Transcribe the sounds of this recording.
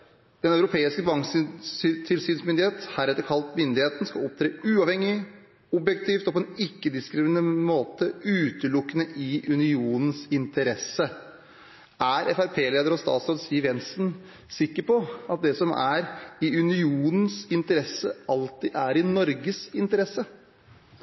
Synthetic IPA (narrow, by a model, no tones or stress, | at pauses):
d̪̥ɛnɑʉɾʊpʰeːɪskəbɑŋsst̪ʰɪlsyːnsmʏnd̪ɪheːt̪hɑɾɛt̪ːəɾkʰɑlt̪mʏnd̪ɪheːt̪n̩skɑɔp̚t̪ʰɾeːʉːɑʋhɛŋːɪ | ɔbjɛk̚t̪ʰiːft̪ɔpʰɔɛnɪkːəd̪ɪskɾɪmɪnmoːt̪əʉːt̪əlʊkːənəʔɪʔʉnɪuːnən̩sɪnt̪əɾɛsːə | æɾɛfæɾpʰeːleːd̪əɾɔst̪ɑ̰ːt̪sɾɑd̪ɪsiːʋjɛnsn̩ | sɪkːəpɔɑt̪̚d̪ɛsɔmæɾɪʉnɪuːnən̩sɪnt̪əɾɛsːəɑlt̪ɪʔæɾɪnɔɾɡəsɪnt̪əɾɛsːə